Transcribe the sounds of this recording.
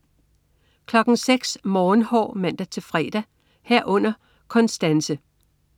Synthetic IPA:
kʰlɒ̽ɡ̥n̩seɡ̥smɒːnhɒ̰ːmæn̰d̥æt͡sʰe̝fʁɛ̰ːd̥æ | heɐ̰ʔɔ̽n̰ɐ | kʰɒ̽nsd̥ænsə

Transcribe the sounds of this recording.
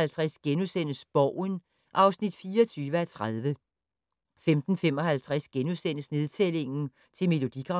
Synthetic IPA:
ælt͡sʰʁæsɡ̥enusen̰əsb̥ɒʊ̰n | ʔɑ̈ʊsnid̥fiːɒt͡sʰyːʋəæt͡sʰʁaðˠʋə | femd̥n̩fem̰ɒ̽ɦælt͡sʰʁasɡ̥enusen̰əsne̝ð̞ˠt͡sʰele̝ŋn̩ | t͡sʰe̝me̝lo̝d̥iɡ̥ʁɑ̈

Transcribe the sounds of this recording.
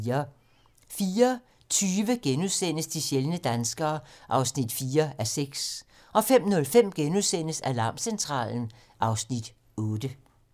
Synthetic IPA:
ɐ | fiːɐ | t͡sʰyːʋəɡ̥enuðˠsen̰əsd̥iɕelnəd̥ænsɡ̥ɐːʔɑ̈ʊsnid̥fiːɐæseɡ̥s | ʔɒ̽fem̰nɔ̽lfem̰ɡ̥enuðˠsen̰əsælɑ̈ːmsent͡sʰʁɑ̰̈ːln̩ | ʔɑ̈ʊsnid̥ | ɔ̽ːd̥ə

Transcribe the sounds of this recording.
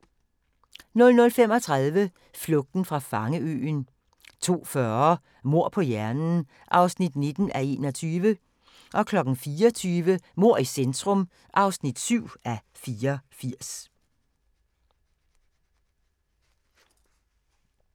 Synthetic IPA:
nɔ̽lnɔ̽lfemɒ̽t͡sʰʁaðˠʋə | flɔ̽ɡ̥̚d̥n̩fʁɑ̈fɑ̈ŋəø̰ːn | t͡sʰo̝̰ːfɶɐ | mo̝ɐ̰pʰɒ̽jæɐnn̩ | ʔɑ̈ʊsnid̥ne̝d̥n̩ʔæe̝ːnɒ̽t͡sʰyːʋə | ʔɒ̽kʰlɒ̽ɡ̥n̩fiːɒt͡sʰyːʋəmo̝ɐ̰isend̥ʁɔm | ʔɑ̈ʊsnid̥syʊ̰æ | fiːɐfiɐ̰s

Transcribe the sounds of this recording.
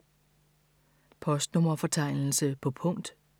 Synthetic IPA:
pʰɒ̽sd̥nɔmɐfɒ̽t͡sʰɑ̈ɪ̰nl̩səpʰɒ̽pʰɔ̽ŋ̰d̥

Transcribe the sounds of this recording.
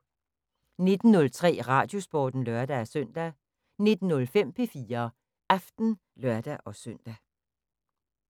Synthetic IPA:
ne̝d̥n̩ːɔ̽lt͡sʰʁɛ̰ːʁɑ̈ːd̥jo̝sb̥ɒ̰ːd̥n̩lɶɐd̥ææsœn̰d̥æ | ne̝d̥n̩nːɔ̽lfem̰pʰe̝fiːɐ | ʔɑfd̥n̩ | lɶɐd̥æʔɒ̽sœn̰d̥æ

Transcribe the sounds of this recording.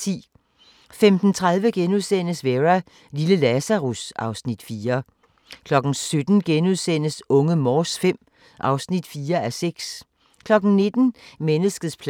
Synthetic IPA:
ḭː | femd̥n̩t͡sʰʁaðˠʋəɡ̥enuðˠsen̰əsʋeʁæ | liləlæsæʁusɑ̈ʊsnid̥fiːɐ | kʰlɒ̽ɡ̥n̩sød̥n̩ɡ̥enuðˠsen̰əsɔ̽ŋəmɒːsfem̰ | ʔɑ̈ʊsnid̥fiːɐæseɡ̥s | kʰlɒ̽ɡ̥n̩ne̝d̥n̩menəsɡ̥ð̩ˠspʰ

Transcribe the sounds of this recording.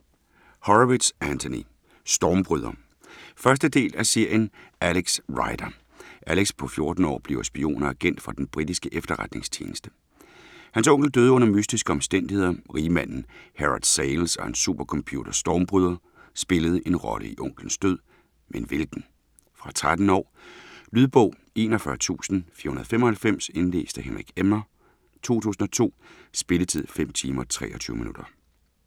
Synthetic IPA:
hɒied̥sænt͡sʰonḭ | sd̥ɒːmb̥ʁyðˠɐ | fɶɐsd̥əd̥e̝̰ːlæse̝ɐ̰jənæleɡ̥sʁɑ̈ɪd̥ɐ | ʔæleɡ̥spʰɒ̽fjo̝ɐd̥n̩ɒ̰ːb̥leʊsb̥io̝̰ːnɐæɡ̥en̰d̥fʁɑ̈d̥enb̥ʁid̥isɡ̥əʔefd̥ɐʁad̥ne̝ŋst͡ɕʰje̝ːnəsd̥ə | hænsɔ̽ŋ̰ɡ̥l̩d̥øð̞ˠɔ̽nɐmysd̥isɡ̥əɒ̽msd̥en̰d̥ihe̝ð̰ˠɐʁiːmæn̰n̩heʁɑd̥seɪlsɒ̽hænsːub̥ɐkʰɒ̽mpʰjṵːd̥ɐsd̥ɒːmb̥ʁyð̞ˠɐ | sb̥e̝ləð̞̩ˠʔe̝nʁɒ̽lʔə̰iʔɔ̽ŋ̰ɡ̥lən̩sd̥øð̰ˠ | mʔenʋe̝lɡ̥n̩ | fʁɑ̈t͡sʰʁad̥n̩ɒ̰ːlyðˠb̥ɔ̽ʊ̰ | e̝ːnɒfɶɐt͡sʰṵːsn̩fiɐhunɐðˠfem̰ɒ̽hælfem̰se̝nle̝̰ːsd̥əhenʁiɡ̥emɐ | t͡sʰo̝̰ːt͡sʰṵːsn̩ɒ̽t͡sʰo̝̰ːsb̥e̝lət͡sʰið̰ˠfem̰t͡sʰiːmɐt͡sʰʁɛ̰ːʔɒt͡sʰyːʊmḭnud̥ɐ

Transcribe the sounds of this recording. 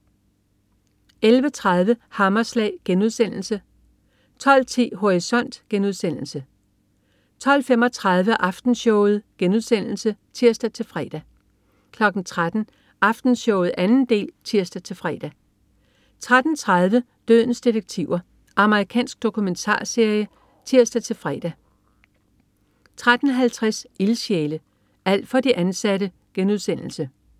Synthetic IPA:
elʋət͡sʰʁað̞ˠʋəhɑ̈mɐslɛ̰ːɡ̥enuðˠsen̰l̩sə | t͡sʰɒ̽l̰t͡sʰḭːɦo̝ʁisɒ̽n̰d̥ɡ̥enuð̞ˠsen̰l̩sə | t͡sʰɒ̽l̰fem̰ɒ̽t͡sʰʁɑð̞ˠʋəʔɑ̈fd̥n̩ɕɔʊð̞̩ˠɡ̥enuð̞ˠsen̰l̩sət͡sʰiɐsd̥æt͡sʰe̝lfʁɛ̰d̥æ | kʰlɒ̽ɡ̥n̩t͡sʰʁad̥n̩ | ʔɑ̈fd̥n̩ɕɔʊð̩ˠænn̩d̥e̝̰ːlt͡sʰiɐsd̥æt͡sʰe̝lfʁɛ̰ːd̥æ | t͡sʰʁad̥n̩t͡sʰʁað̞ˠʋə | d̥øð̰ˠn̩sd̥ideɡ̥̚t͡sʰiʊɐ | ʔɑ̈məʁikʰɛ̰ːnsɡ̥̚d̥o̝kʰument͡sʰɑ̰̈ːse̝ɐjə | t͡sʰiɐ̰sd̥æt͡sʰe̝lfʁɛ̰ːd̥æ | t͡sʰʁad̥n̩ɦælt͡sʰʁaselɕeːlə | æl̰d̥fɒ̽d̥iʔænsæɾə | ɡ̥enuð̞ˠsen̰l̩sə

